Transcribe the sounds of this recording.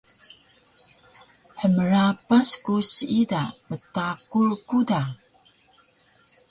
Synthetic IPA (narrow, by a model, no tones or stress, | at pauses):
ħəməɾapaskusidamətakurkuda